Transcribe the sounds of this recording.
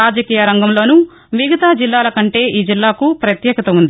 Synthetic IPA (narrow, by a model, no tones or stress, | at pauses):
aːd͡ʒɐkiːjɐɾɐŋɡɐmlo̞ːnu | ʋiɡɐt̪aːd͡ʒilːaːlɐkɐɳʈe̞ːʔiːd͡ʒilːaːkupɾɐt̪jɛːɡɐt̪ɐund̪i